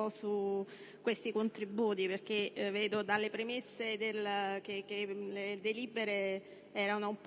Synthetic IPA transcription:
ɔsu | kwest̪ikont̪ɾibuːt̪iperk̟eveːd̪od̪alːepɾemesːed̪elkek̟ːeled̪eliːbeɾe | ɛːɾanoump

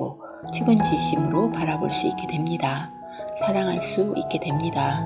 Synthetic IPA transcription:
o | t͡ɕʰeɡɯnd͡ʑiɕ͈ʰimɯɾopaɾaboɭs͈uik͈e̞dwe̞mɲida | sʰaɾaŋɦaɭs͈uḭk͈e̞dwe̞mɲida

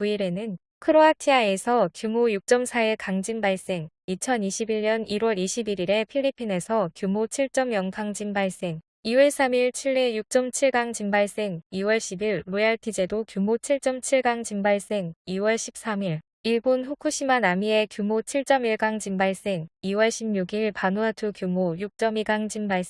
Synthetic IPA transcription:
kuiɾe̞nɯn | kʰɯɾoatʰiae̞sʰʌkjumojuk̚t͡ɕ͈ʌmsʰaekaŋd͡ʑimbaɭs͈e̞ŋit͡ɕʰʌniɕʰibiɭɲʌniɾwʌɾiɕʰibiɾiɾe̞pʰiʎːipʰine̞sʰʌkjumot͡ɕʰiɭt͡ɕ͈ʌmjʌnkʰaŋd͡ʑimbaɭs͈e̞ŋ | iwʌɭs͈amiɭt͡ɕʰiɭːe̞juk̚t͡ɕ͈ʌmt͡ɕʰiɭɡaŋd͡ʑimbaɭs͈e̞ŋiwʌɭɕʰibiɭːojaɭtʰid͡ʑe̞dokjumot͡ɕʰiɭt͡ɕ͈ʌmt͡ɕʰiɭɡaŋd͡ʑimbaɭs͈e̞ŋiwʌɭɕʰip̚s͈amiɭ | iɭbonɸukʰuɕʰimanamie̞kjumot͡ɕʰiɭt͡ɕ͈ʌmiɭɡaŋd͡ʑimbaɭs͈e̞ŋiwʌɭɕʰimɲuɡiɭpanuatʰɯkjumojuk̚t͡ɕ͈ʌmiɡaŋd͡ʑimbaɭs

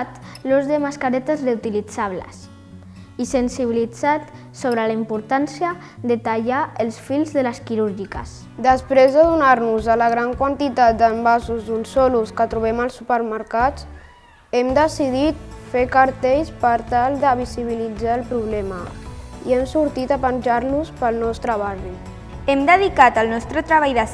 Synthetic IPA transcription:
t̪luzðəmaskaɾɛt̪əzreut̪ilid͡zaβlə̰s | isənsiβilid͡zat̪ | soβɾəlaimpuɾt̪ansjə | ðət̪aʎaəlˠsfilˠzðələskiɾuɾʒikə̰s | d̪əspɾezðəðunaɾnuzəlaɣɾaŋkwant̪it̪at̪̚d̪əmbasuzd̪unsɔluskət̪ɾuβɛməlˠsupəɾməɾkat͡s | ɛmd̪əsiðit̪fekəɾt̪eʎspəɾt̪alˠd̪əβiziβilid͡zaːlˠpɾuβlɛməiɛmsuɾt̪it̪apənʲʒaɾluspəlˠnɔst̪ɾəβari | ɛmd̪əðikat̪əlˠnɔst̪ɾət̪ɾəβajðə

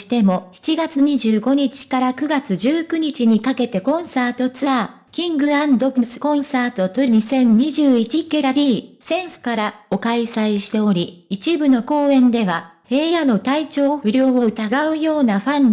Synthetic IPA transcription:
i̥t̪e̞mo̞çi̥t͡ɕiɡat͡sɨɲ̟iʑɨːɡo̞ɲ̟it͡ɕi̥kaɾakɯ̟ɡat͡sɨʑɨːkɯ̟ɲ̟it͡ɕiɲ̟ikake̞t̪e̞kõ̞ɰ̃saːt̪o̞t͡sɨa | kʲĩŋɡɯ̟ãnd̪o̞bɯ̟sɨ̥kõ̞ɰ̃saːt̪o̞t̪oɲ̟isẽ̞ɲ̟ɲiʑɨːit͡ɕikeɾaɾʲiːsẽ̞ɰ̃sɨ̥kaɾao̞kaisaiɕi̥t̪e̞o̞ɾʲiit͡ɕibɯ̟no̞ko̞ːẽ̞nd̪e̞β̞ahe̞ːjano̞t̪ait͡ɕo̞ːɸɯ̟ɾʲo̞ːoɯ̟t̪aɡaɯ̟jo̞ːnaɸãn

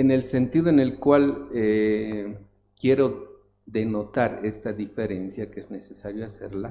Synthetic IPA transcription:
e̞ne̞lse̞nt̪iðoene̞lkwale | kje̞ɾo̞ | ðe̞no̞t̪aɾe̞st̪aðife̞ɾe̞nsjakeezne̞sesaɾjoaseɾla

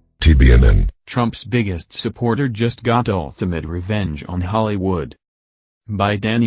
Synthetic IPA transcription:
tʰibiɛ̃nɛ̰̃ntʰɹ̥ʌ̃mpsbɪɡɨstsɨpʰɔɹɾə˞d͡ʒʌst̚ɡ̥ɑɾɔ̰lˠtɨmɨt̚ɹɨvɛ̃nd͡ʒn̩ɦɑlˠiwʊd | baɪdæ̃n

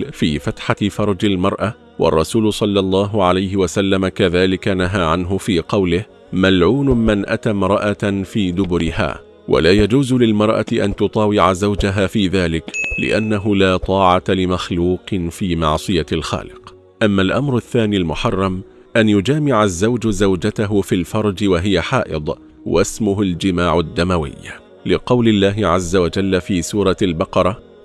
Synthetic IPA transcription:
fiːfat̪ħafɑɾˤɑd͡ʒalmɑɾˤʔa | wɑ̰rˤːɑsuːlʊsˤɑlːɑlˤːɑːɦʊʕalajɦɪwasalːamakaðaːlɪkanaɦaːʕanɦʊfiːqɑwlɪh | malʕuːnʊmɪnʔat̪aːmɾˤɑʔafiːd̪ʊbʊɾɪha̰ː | wʔa̰laːjad͡ʒuːzlɪlmɑɾˤʔa̰t̪ɪʔa̰nt̪ʊt̪ˤɑːwɪʕazawd͡ʒaɦaːfiːðaːlɪklɪ̰ʔanːaɦʊlaːt̪ˤɑːʕɑt̪alɪmaxluːqɨnfiːmɑʕsˤɨjalxa̰ːlɪq | ʔamːalʔamɾaθːaːniːlmʊħɑrˤːɑm | ʔanjʊd͡ʒaːmɪʕazːawd͡ʒʊzawd͡ʒat̪aɦʊfilfɑɾˤd͡ʒɪwaɦɪjaħɑːʔɨ̰d̪ˤ | wasmʊɦʊld͡ʒɪmaːʕad̪ːamawɪ̰jːa | lɪqɑwlɪlːaːɦɪʕazːawad͡ʒalːafiːsuːɾˤɑalbɑqɑɾˤɑ

